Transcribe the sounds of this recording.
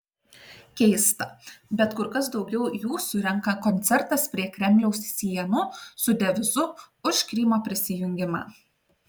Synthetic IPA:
kʲɛɪst̪ɐbʲɛt̪kʊɾkɐs̬d̪ɒʊɡʲɛʊjuːsʊɾʲɛŋkɐkɔnʲt̪sʲɛɾt̪ɐspʲɾʲiɛkɾʲɛmʲlʲɛʊssʲiɛnʊsʊd̪ʲɛʋʲɪzʊʊʃkɾʲɪːmoːpʲɾʲɪsʲɪjʊŋʲɡʲɪmɑ̰ː

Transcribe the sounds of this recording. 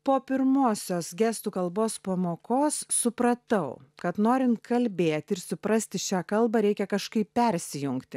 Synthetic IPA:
poːpʲɪɾmoːsʲoːsɡʲɛːst̪uːkɐlˠboːspɐmoːkoːsːʊpɾɐt̪ɐʊkɐt̪noːɾʲɪnt̪kɐlʲbʲeːt̪ʲɪɾsʊpɾɐsʲt̪ʲɪʃʲæːkɐlˠbɐɾʲɛɪkʲɛkɐʃkɐɪppʲɛɾʲsʲɪjʊŋkt̪ʲɪ

